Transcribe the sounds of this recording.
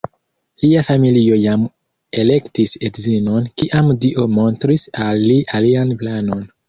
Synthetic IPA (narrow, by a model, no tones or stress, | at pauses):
liafamilio̞jam | e̞le̞ktisedzino̞nkiʔamdiʔo̞mo̞ntɾisalːiʔalianplano̞n